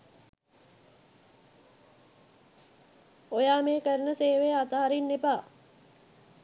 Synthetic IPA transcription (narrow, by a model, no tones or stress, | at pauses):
ojaːmeːkəɾənəseːʋeːat̪aɦaɾinːepaː